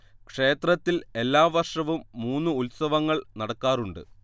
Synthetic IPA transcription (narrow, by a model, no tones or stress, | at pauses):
kʂe̞ːt̪rɐt̪ːile̞lːaːʋɐrʂɐʋumːuːnːɨulsɐʋɐŋːɐɭnɐɽɐkːaːɾuɳɖɨ̰